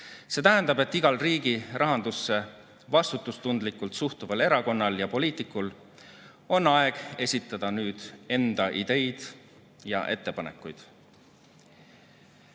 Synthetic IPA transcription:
se̞ːt̪æɦænd̪ɑb̥e̞t̪ːiɡ̥ɑlriːɡ̥irɑɦɑnd̪usːe̞ | vɑst̪ut̪ːˑust̪und̪likːˑult̪suht̪uvɑle̞ɾɑko̞nːɑljɑpo̞liːt̪ˑikːˑul | o̞nːɑe̞ɡ̥e̞sʲit̪ːˑɑd̪̥ɑnyːd̪̥e̞nd̪̥ɑʔid̪̥e̞jd̪̥ | jɑ̰ʔe̞t̪ˑːe̞pɑne̞̰kːˑujd̪̥

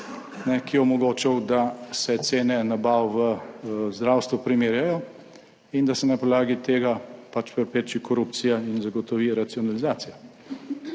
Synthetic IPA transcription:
nɛkijɛɔmɔɡoːt͡ʃɛwd̪asɛt̪seːnɛnabawʋəzd̪ɾaːwst̪ʋupɾimeːɾjajɔ | ind̪asɛnapɔdlaːɡit̪eːɡapat͡ʃpɛɾpɾeːt͡ʃikɔɾupt̪sijainzaɡɔt̪ɔʋiɾat̪siɔnalizaːt̪sija

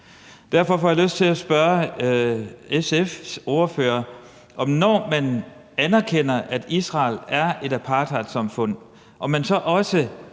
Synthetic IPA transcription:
d̥æɐfɒ̽fɒjɑ̈løsd̥t͡sʰe̝læsb̥ɶɐ | esefsɔːɐføːɐ | ʔɒ̽mnɒ̰ːmæn | ænɐkʰen̰ɐʔæd̥isʁɑ̈ːlæɐe̝d̥æpʰɑ̈ːd̥ʰɑ̈d̥sɑ̈mfɔ̽n̰ | ʔɒ̽mænsɒ̽ʔɒ̽sə

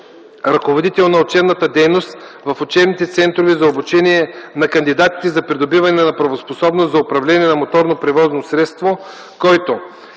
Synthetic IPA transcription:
ɾɐkovod̪it̪ɛlˠnɐot͡ʃɛbnət̪əd̪ɛjnost̪ | vɐfot͡ʃɛbnit̪ɛt̪sɛnt̪ɾovɛzɐobut͡ʃɛniɛnɐkɐnd̪id̪at̪i̥t̪ɛzɐpɾid̪obivɐnɛnɐpɾɐvosposɔbnoszɐʊpɾɐvlɛniɛnɐmot̪ɔɾnopɾɛvɔznosɾɛt̪st̪vo | kɔjt̪o

